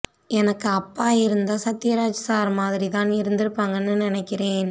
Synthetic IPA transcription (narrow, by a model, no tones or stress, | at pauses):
ɛnɐkːɯɐpːaːɪɾɯnd̪aːsɐt̪ːɪjɐɾaːd͡ʒsaːɾmaːðɪɾit̪aːnɪɾɯnd̪ɪɾɯpːaːŋɡɐnːɯnɪnɛkːɪɾeːn